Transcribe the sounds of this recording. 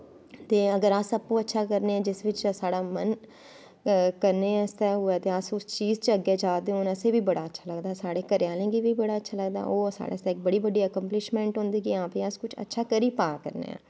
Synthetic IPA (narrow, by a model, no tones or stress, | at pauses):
t̪eːəɡəɾaːsəpːũːətːʃʰaːkəɾneːãːd͡ʒɪsʋɪt͡ʃsaːɽaːmən | kəɾneːst̪ɛːɦʊɛːt̪eːəsʊst͡ʃiːzt͡ʃəəɡeːd͡ʒaːd̪eõːnəseːʋiːbəɽaːətːʃʰaːləɡd̪aːsaːɽeːkəɾjaːlẽːɡiːʋiːbəɽaːətːʃʰaːləɡ̚d̪a̰ːʔoːsa̰ːɽḛst̪ɛːɪk̚bəɽiːbəɖːiːəkəmplɪʃmɛ̃ːɳʈɦʊ̃nd̪iːkiãːpẽːəskʊt͡ʃʰə̰tːʃʰaːkəɾiːpaːkə̰ɾnḛːã̰ː